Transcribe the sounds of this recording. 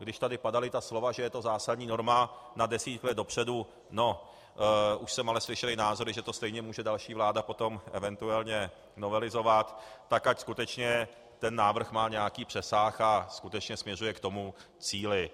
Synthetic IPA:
ɡdɪʃt̪adɪpadalɪt̪aslo̞vaʒɛjɛt̪o̞zaːsad̪ɲiːno̞ɾmanadɛsiːt̪klɛd̪dopr̝̥ɛdu | no̞ | ʔuʃsɛmalɛslɪʃɛlɪnaːzo̞ɾɪʒɛt̪o̞st̪ɛjɲɛmuːʒɛdalʃiːvlaːdapo̞t̪o̞mʔɛ̰vɛnt̪uɛlɲɛ | novɛlɪzo̞vat̪ːakacskut̪ɛt͡ʃɲɛ | t̪ɛnːaːvr̩xmaːɲɛjakiːpr̥ɛsaːxaskut̪ɛt͡ʃɲɛsmɲɛr̝ujɛkt̪o̞mu | t͡siːlɪ

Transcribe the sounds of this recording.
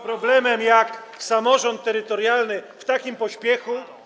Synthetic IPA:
pɾɔblɛmɛmjaksamɔʐɔnt̪ːɛɾɘt̪ɔɾjalnɘft̪akʲimpɔɕpʲjɛxu

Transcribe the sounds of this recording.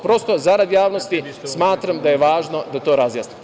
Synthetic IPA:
pɾo̞st̪ozaɾad̪jaːʋnost̪ismaːt̪ɾamd̪ajeʋaːʒno̞d̪at̪o̞ːɾazjaːsni

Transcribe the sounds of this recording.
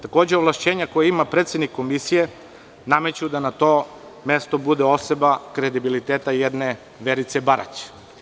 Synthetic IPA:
t̪ako̞ːd͡ʑeoʋlˠaʃt͡ɕeːɲako̞jaimapɾet̪sjed̪nikːomisije̞ | name̞t͡ɕuud̪anat̪o̞ | me̞st̪o̞bud̪eo̞sebakɾe̞d̪ibilit̪eːt̪ajed̪ne | ʋeɾit̪sebaɾa̰t͡ɕe̥

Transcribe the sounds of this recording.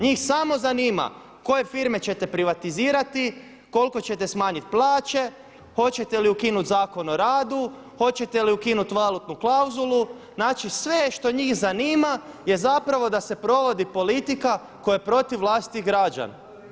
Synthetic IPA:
ɲiːxsamo̞zaniːma̰ | ko̞je̞fiɾme̞t͡ɕe̞t̪e̞pɾiʋat̪iziːɾat̪i | ko̞lˠko̞t͡ɕe̞t̪esmaːɲit̪̚plˠaːt͡ʃe̞ | xo̞t͡ɕe̞t̪e̞liukinut̪zaːko̞no̞ɾaːd̪u | xo̞t͡ɕe̞t̪e̞liukinut̪ʋalˠut̪nuklawzulˠu | znaːt͡ʃisʋe̞ʃt̪o̞ɲiːxzaniːmaje̞zapɾaʋo̞d̪ase̞pɾo̞ʋo̞d̪ipo̞lit̪ika | ko̞jepɾo̞t̪iʋlˠaːst̪i̥t̪iɣɡɾad͡ʒa̰na̰

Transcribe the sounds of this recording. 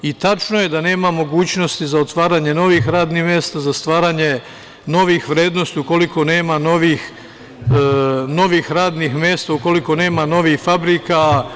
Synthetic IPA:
it̪at͡ʃno̞je̞d̪ane̞ːmamo̞ɡuːt͡ɕno̞st̪izaot̪ʋaːɾaɲe̞no̞ʋixɾaːd̪nihmje̞ːst̪azast̪ʋaːɾaɲe̞ | no̞ʋixʋɾeːd̪no̞st̪iuko̞liko̞ne̞ːmano̞ʋix | no̞ʋixɾaːd̪nixmje̞ːst̪auko̞liko̞ne̞ːmano̞ʋixfabɾika

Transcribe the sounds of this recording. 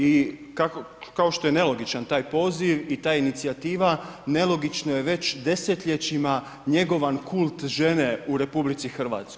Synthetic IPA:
ikako | kao̞ʃt̪o̞jene̞lo̞ɡit͡ʃant̪aːjpo̞ːziʋit̪aːjinit̪siat̪iːʋane̞lˠo̞ɡit͡ʃnoje̞ʋe̞t͡ɕd̪e̞set̪ʎe̞t͡ɕima | ɲe̞ɡo̞ʋankʰulˠt̪ʒene̞uɾe̞publit̪sixr̩ʋa̰ːt̪sko

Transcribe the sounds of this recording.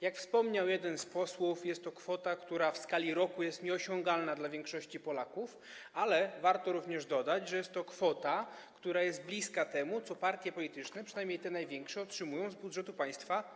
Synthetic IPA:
jakfspɔmɲawjɛd̪ɛnspɔswufjɛst̪ːɔkfɔt̪akt̪uɾafskalʲiɾɔkujɛst̪ɲɛɔɕɔ̃ŋɡalnad̪lavʲjɛŋkʂɔɕt͡ɕipɔlakuf | alɛvaɾt̪ɔɾuvɲɛʐd̪ɔd̪ad͡ʑʐɛjɛst̪ːɔkfɔt̪a | kt̪uɾajɛst̪̚blʲiskat̪ɛmut̪sɔpaɾt̪ʲjɛpɔlʲit̪ɘt͡ʂnɛpʂɨnajmɲejt̪ɛnajvʲjɛŋkʂɛɔtʂɘmujɔ̃w̃zbudʐɛt̪upaj̃st̪fa

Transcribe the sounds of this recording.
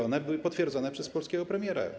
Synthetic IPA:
ɔnɛbɘwɘpɔt̪fʲjɛɾd̪zɔnɛpʂɛspɔlskʲɛɡɔpɾɛmʲjɛɾa̰

